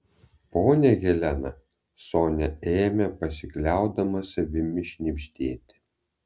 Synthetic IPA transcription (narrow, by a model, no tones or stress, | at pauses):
poːnʲɛɣʲɛlʲænɐ | soːnʲɛeːmʲɛpɐsʲɪklʲæˑʊd̪ɐmɐsʲɐbʲɪmʲɪʃʲnʲimʲʃʲt̪ʲeːt̪ʲɪ̥